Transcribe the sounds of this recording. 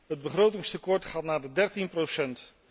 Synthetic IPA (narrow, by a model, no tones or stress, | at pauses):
ɦəd̚bəχrowtɪŋstəkɔɹtχaːtnaːdədɛɹtinprowsɛnt